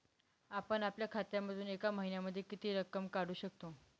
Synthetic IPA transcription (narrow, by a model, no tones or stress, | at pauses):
apəɳapljakʰat̪jaməd̪ʱuːnekaməɦinjaməd̪ʱːjekit̪iːɾəkːəmkaɽuːɕək̚t̪o